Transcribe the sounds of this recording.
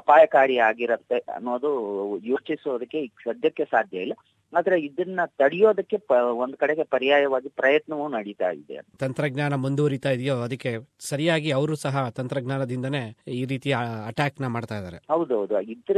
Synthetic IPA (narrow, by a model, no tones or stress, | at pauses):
ɐpaːjɐkaːɾiaːɡiɾɐt̪ːe̞ɐ̰nːoːd̪ujoːt͡ʃisoːd̪ɐkːe̞ʃɐd̪ʱjɐkːesaːd̪ʱjɐilːɐ | aːd̪ɐɾeid̪ɐnːɐt̪ɐɽijo̞ːd̪ɐkːe̞ond̪ukɐɽeɡepɐɾijaːjɐʋaːɡipɾɐjɐt̪nɐʋɐunɐɽit̪a̰ːjḭd̪ḛɐ̰nt̪ɐnt̪ɾɐɡnaːnɐmund̪uɦɐɾit̪aːjid̪ijoːɐd̪ɐkːe̞sɐɾijaːɡiɐʋɐɾuːsɐɦɐt̪ɐnt̪ɾɐɡnaːnɐd̪ind̪ɐne̞ːiːɾiːt̪ijɐʈaːknɐmaːɖt̪aːjd̪a̰ːɾe̞ɦɐwd̪uɦɐwd̪uid̪ɾ